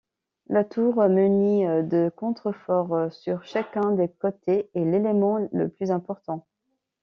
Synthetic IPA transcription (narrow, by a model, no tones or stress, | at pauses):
lat̪uʁmənid̪əkɔ̃t̪χəfɔʁsyʁʃakʲɛ̃d̪ekɔt̪eːlelemɑ̃lə̰plyzɛ̃pɔʁt̪ɑ̃